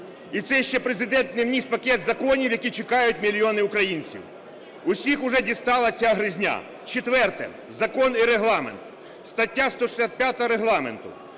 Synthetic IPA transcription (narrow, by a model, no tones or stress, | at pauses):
it̪sɛʃt͡ʃːɛpɾezɪd̪ɛnt̪nɪwnʲis̚pɐkʲɛt̪zɐkɔnʲiwjɐkʲit͡ʃekɑjʊt̚ʲmʲilʲiɔnɪʊkɾɐjinʲt͡sʲḭw | ʊsʲixʊʒɛdʲist̪ɑlˠɐt͡sʲaɦɾɪzʲnʲa̰ | t͡ʃet̪ʋɛrt̪ɛ̰ | zɐkɔniɾeɦlˠɑmḛnt̪ | st̪ɐtʲːast̪ɔʃɪ̥sʲat̪̚pʲjat̪ɔɦɐɾeɦlˠɑmḛnt̪ʊ